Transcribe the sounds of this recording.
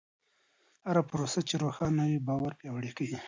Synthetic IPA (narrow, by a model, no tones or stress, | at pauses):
haɾapɾosat͡ʃeɾoxɑnawibɑwaɾpjɑwɽekawi